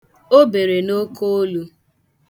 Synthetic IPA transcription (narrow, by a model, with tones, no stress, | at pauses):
o˦be˨ɾe˨no˦ko˦o˦lu˦